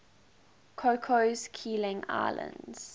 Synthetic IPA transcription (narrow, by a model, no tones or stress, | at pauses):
kʰokʰozkʰiːlɪ̃ŋa̰ɪlʔə̰̃ndz̥